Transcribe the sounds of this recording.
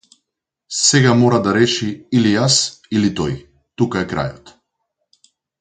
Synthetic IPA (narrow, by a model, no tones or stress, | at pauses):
sɛɡamɔɾad̪aɾɛʃiilijasilit̪ɔj | t̪ukaɛkɾa̰jɔt̪